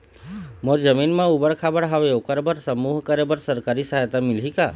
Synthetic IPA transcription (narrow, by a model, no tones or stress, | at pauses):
mõɾd͡ʒəminmãubəɭkʰabəɽɦəʋeokəɾbəɾsəmuɦkəɾebəɾsəɾkaɾisəɦajt̪amɪlɦika